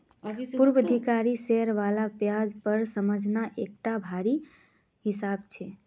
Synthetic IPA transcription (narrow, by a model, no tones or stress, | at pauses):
puɾbəd̪ʱikaɾiseɦəɾʋalapjad͡ʒpəɾsəməd͡ʒʱnaʔek̚ʈabʱaɾi | ɦisabt͡ʃʰe